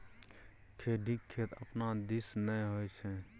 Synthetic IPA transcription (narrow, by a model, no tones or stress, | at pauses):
kʰeːɖʱikʰːeːt̪ə̰pnad̪isnəjɦojt͡ʃʰɛ̃